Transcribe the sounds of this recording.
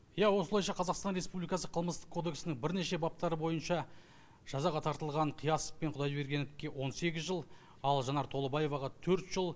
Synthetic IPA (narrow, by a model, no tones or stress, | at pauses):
jæwo̞səlˠɑjʃɑqʰɑzɑqst̪ɑnɾe̞spublijkɑsəqʰəlˠməst̪ə̥qkʰo̞d̪e̞ksɪnɪŋbɪɾne̞ʃe̞bɑp̚t̪ɑɾəbo̞jənʃɑ | ʒ̥ɑzɑʁɑt̪ʰɑɾt̪əlˠʁɑɴqʰijɑsə̥ppe̞ɴqʰʊd̪ɑjbe̞ɾɡʲe̞nd̪ɪkʲːe̞wo̞nse̞ɡʲɪzʒəlˠ | ɑlˠʒɑnɑɾt̪ʰo̞lˠəbɑje̞vɑʁɑt̪ʰɵɾt̪ʒ̥əlˠ